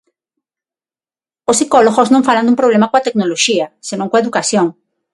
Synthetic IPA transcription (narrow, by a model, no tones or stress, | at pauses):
osːikɔloɣosnõŋfaland̪umpɾoβlemakoat̪eknoloʃiɐsenõŋkoaeðukaθjoŋ